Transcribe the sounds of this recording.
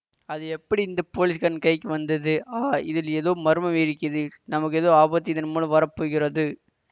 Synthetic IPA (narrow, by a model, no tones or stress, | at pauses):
ɐðɯɛpːɐɽiɪnd̪ɐpoːlɪskɐnkɐɪkːɯʋɐnd̪ɐðɯaːɪðɪlɛðoːmɐɾɯmɐʋeɾɪkːɪɐðɯnɐmɐkːɯɛðoːaːbɐt̪ːɪðɐnɐmːɐlɯ̃ʋɐɾɐpːoːɣɪɾɐðɯ